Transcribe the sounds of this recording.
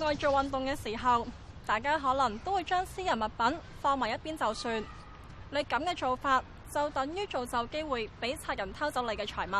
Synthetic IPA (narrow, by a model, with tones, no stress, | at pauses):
ŋɔː˨˧jt͡ʃo˨˧wɐ˨nt̪ʊ˨ŋkɛː˧siː˨˩ɦɐ˨w | t̪aː˨jkaː˥ɦɔː˨˥lɐ˨˩ŋt̪o˥wuː˨˧jt͡ʃœː˥ŋsiː˥jɐ˨˩nmɐ˨t̚pɐ˨˥nfɔː˧ŋmaː˨jɐ˥t̚piː˥nt͡sɐ˨wsyː˨˧n | le˨˧jkɐ˨˥mkɛː˧t͡so˨wfaː˧t̚ | t͡sɐ˨wt̪ɐ˨˥ŋjyː˥t͡ʃo˨wt͡sɐ˨wke˥jwuː˨jpe˨˥jt͡sʰaː˧t̚jɐ˨˩nt̪ʰɐ˥wt͡sɐ˨˥wle˨˧jkɛː˧t͡ʃʰɔː˨˩jmɐ˨